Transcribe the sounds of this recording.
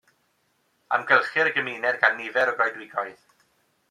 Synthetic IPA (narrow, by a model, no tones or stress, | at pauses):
a̰mɡɛlˠχɪɾəɡəmiːnɛrɡanːɪvɛɾɔɡɔjdwɪɡɔjð